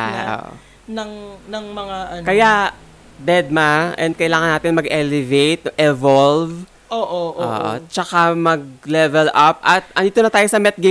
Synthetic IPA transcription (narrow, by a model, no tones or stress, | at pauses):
o̰ːʔ | nɐŋnɐŋmɐŋaʔɐkɐjaʔ | bɛd̪̚maʔɛ̰nd̪̚kɐjlaːŋɐnːaːt̪ɪnmɐɡʔɛlɛvejt̪̚ʔɛvolv | ʔoʔoʔo̰ːʔo̰t͡ʃɐkamɐɡ̚lɛvɛlʔap̚ʔɐt̪̚ʔɐnd̪iːt̪onɐt̪aːjosɐmɛt̪̚ɡe